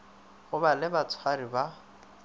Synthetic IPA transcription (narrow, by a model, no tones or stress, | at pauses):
ɣʊbalɪbat͡sʰwariba